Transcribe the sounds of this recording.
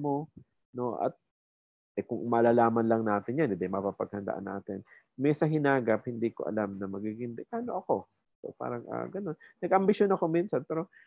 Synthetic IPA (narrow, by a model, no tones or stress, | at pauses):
mo̞ | no̞ʔɐ̰t̪̚ | ʔɛkʊŋmɐlalaːmɐnlɐŋnaːt̪ɪnjanɪd̪ɐjmɐpapɐɡ̚hɐnd̪ɐ̰ʔa̰nːa̰ːt̪ɪn | mɛsɐɦɪnaːɡɐp̚hɪnd̪iːko̞ʔɐ̰lamnɐmɐɡiɡɪŋd̪ɛkaːno̞ʔɐko̞ | so̰pa̰ːɾɐŋʔa̰ːɡɐno̞nːɐɡʔɐmbɪʃjonɐko̞miːnsɐnpɛːɾo̞